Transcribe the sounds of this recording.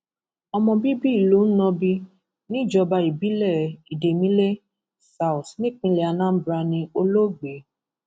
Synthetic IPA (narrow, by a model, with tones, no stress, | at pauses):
ɔ˧mɔ̃˧bi˦bi˦i˨lo˨˦n̩˦nɔ̃˧bi˧ | nĩ˦i˦˨d͡ʒɔ˧ba˧i˨bi˨˦lɛ˦˨i˨de˨mĩ˦le˦ | sa˨˦u˨tnĩ˦˨k͡pĩ˧lɛ˨a˧nã˦bɾa˧nĩ˧o˧lo˦ɡ͡be˨˦